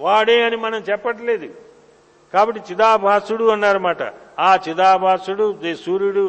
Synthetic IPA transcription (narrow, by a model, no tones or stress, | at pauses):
ʋaːɽeːɐnimɐnɐmt͡ʃɛpːɐʈ̬ɐle̞ːd̪u | kaːbɐʈːit͡ʃid̪aːbʱaːsuɽuɐnːaːɾɐmaːʈɐ̰aːt͡ʃid̪aːbʱaːsuɽusuːɾuɽu